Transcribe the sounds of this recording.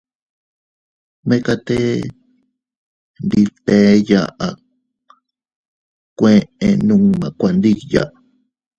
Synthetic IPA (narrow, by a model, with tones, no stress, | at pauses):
mẽ˦ka˧t̪e˦ | nd̪i˧t̪e˦ja̰˧ʔa˨ | kʷẽ˦ʔẽ˧nũ˦mã˨kʷa˧˨nd̪i˦ja̰˨ʔ